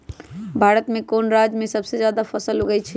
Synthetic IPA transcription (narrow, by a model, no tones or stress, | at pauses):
bʱaɾət̪mẽkonɾad͡ʒmẽsəbsed͡ʒjad̪apʰəsəlɦoɡət͡ʃʰi